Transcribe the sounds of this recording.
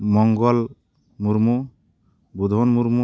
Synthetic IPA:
mɔŋɡɔl | muɾmu | bud̪ʱonmuɾmu

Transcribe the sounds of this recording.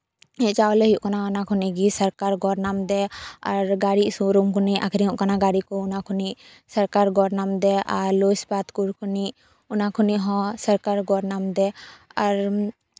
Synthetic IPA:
ɛ̃t͡ʃaɔlɛɦjuʔkanaɔnakʰuniɡisəɾkaɾɡɔɾnamd̪ɛaɾɡaɽiʔsuɾumkʰuniakʰɾiɦũʔkanaɡaɽikɔunakʰuniʔ | səɾkaɾɡɔɾnamd̪ɛaɾlosbat̪kuɾkʰuniʔ | unakʰuniʔɦɔ̃səɾkaɾɡɔɾnamd̪ɛaɾ

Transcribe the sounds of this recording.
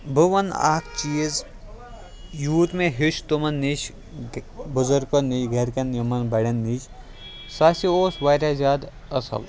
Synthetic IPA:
bʱuʋɐna̰ːkʰt͡ʃiːz | juːt̪meɦiʃt̪umɐnːiʃ | buzɐɾkoniɡʱɐɾkɐnjɐmɐnbɐɽʲɐnːiʃ | saːsioːsʋaːɾʲaːzaːd̪ | ɐsʰɐ̰ʋ

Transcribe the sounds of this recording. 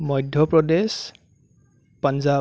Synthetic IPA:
mɔjdʱjɔpɹɔdes | panza

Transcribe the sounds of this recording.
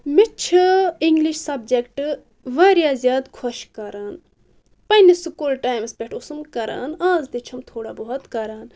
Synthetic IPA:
mit͡ʃʰɨiŋɡliʃsɐb̚d͡ʒekʈ | ʋaːɾjaːzʲjaːd̪kʰoʃkɐɾaːn | pɐnisukuːlʈaːjmspʲeʈʰʊsumkɐɾa̰ːnaːzd̪it͡ʃʰɐmt̪ʰoːɽaːboɦɐt̪kɐɾaːn

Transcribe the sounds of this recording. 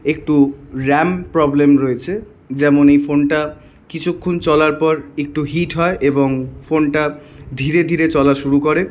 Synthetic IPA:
ek̚ʈuɾɛmpɾɔblemɾoet͡ɕʰe | d͡ʑɛmonejfonʈa | kit͡ɕʰukʰːont͡ɕɔlaɾpɔɾek̚ʈuɦiʈɦɔeʔeboŋfonʈad̪ʱiɾed̪ʱiɾet͡ɕɔlaʃuɾukoɾe

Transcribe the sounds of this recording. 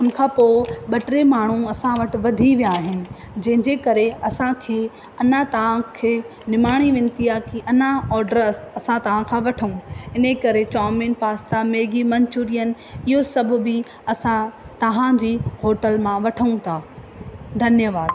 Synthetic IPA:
ʊn̆kʰãːpoːɪɓɐʈɾemaːɳ̤ũɐsãʋɐʈɪ̆ʋɐd̪ʱiʋijaːɦɪnɪ̆ | d͡ʑɐ̃ɦɪ̃d͡ʑekɐɾeɐsãkʰeː | ɐnat̪ɐʋãkʰeː | nɪmaːɽ̃iʋɪ̃nt̪iaːkiʔɐnaɔːɾɖəɾəsɐsãt̪ɐʋ̤ãkʰãːʋɐʈʰəũɪnekɐɾet͡ɕaːmẽnpaːst̪ameːɡimɐ̃ɲt͡ɕuɾijənɪ̆ | ɪɦosɐbʱʊ̆bɪ | ɐsãt̪ɐɦãd͡ʑiːɦoːʈəlmãʋɐʈʰəũt̪ʰaː | d̪ʱɐnjəʋaːd̪̚

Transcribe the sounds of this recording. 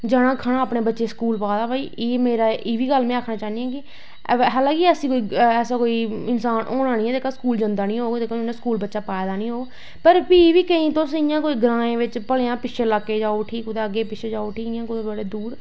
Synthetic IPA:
d͡ʒəɽãːkʰaːɽ̃aːaːpɳeːbətːʃeːskuːlpaːd̪aːbaːiːeːmeːɾaːʔɪːʋiːɡəlmɛ̃ːaːkʰnaːt͡ʃaːnijãːkɪ | ɦɛːlãːkiəsĩːkoːiːɛːsaːkoːiɪnsaːnʔo̰ːɽ̃ãːnĩːɛːd̪eːkaskuːld͡ʒənd̪aːnĩːɦoːɡt̪eːkonãskuːlbətːʃaːpaːjd̪aːnĩːɦoːɡ | pəɾpiːʋiːkəĩːt̪õːsɪjãːkoːiːɡəɾãːẽːʋɪt͡ʃpəlejãːpɪʃʰeːlaːkːeːd͡ʒaːoʈʰiːkʊt̪eːəɡːeːpɪʃʰeːd͡ʒaːoʈʰiːɪjãːkʊt̪eːbəɽeːd̪uːɾ

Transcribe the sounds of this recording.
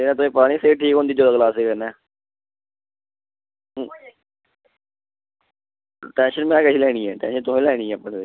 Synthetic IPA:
eːnãːt̪ʊẽːpaːɽ̃ĩːseːʈʰiːkɦõnd̪iːd͡ʒoːd̪aːkəlaːseːkənɛː | ʈɛ̃ːnʃənmɛ̃ːkəiːlɛːɽ̃iːɛːʈɛ̰̃ːnʃənt̪ʊɦẽːlɛːɽ̃iːɛ̃ːəpːəɳdeː

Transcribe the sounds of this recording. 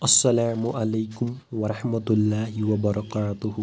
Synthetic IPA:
ʔɐsˤːɐlaːmʊʔalajkʊmwɑɾˤɑħmat̪lːaːhɪwɐbɑɾˤɑqaːt̪ʊh

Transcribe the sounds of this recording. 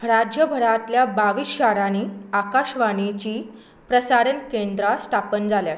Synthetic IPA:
ɾad͡ʑjəbʱəɾat̪ljabaʋiːsɕaɾañiːakaɕʋaɽ̃it͡ɕiː | pɾəsaɾənkend̪ɾasʈ̪ʰapənd͡zaljat̪

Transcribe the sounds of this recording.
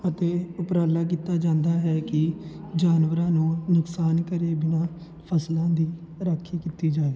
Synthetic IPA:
ət̪eːʊpɾaːlːaːk̬iːt̪aːd͡ʒãːnd̪aːɦɛːkɪd͡ʒaːnʋəɾãːnũːnʊksaːnkəɾeːbɪnaː | pʰəslãːd̪iː | ɾaːkʰːiːkit̪iːd͡ʒaːeː

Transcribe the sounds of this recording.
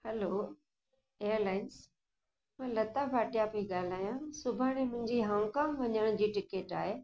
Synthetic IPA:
hɛloː | ejəɾlaːɪns | mãːlɐt̪abʱaːʈijapeiɠaːl̤aːjãsʊbʱaːɽ̃ẽmʊ̃ɦɪ̃ɲd͡ʑiɦaːmkãːmʋɐɲəɽ̃ʊd͡ʑiːʈɪkeːʈaːɦeː

